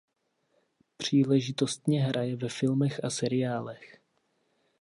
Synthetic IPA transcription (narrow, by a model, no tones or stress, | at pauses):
pr̝̥iːlɛʒɪt̪o̞st̪ɲɛɦɾʔajɛvɛfɪlmɛxʔasɛɾɪaːlɛx